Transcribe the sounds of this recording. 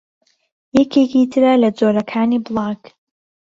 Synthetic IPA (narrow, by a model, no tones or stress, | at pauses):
jɛkʰekit̪ʰɨɾalɐd͡zoːɾɐkʰaːniːblˠɑːk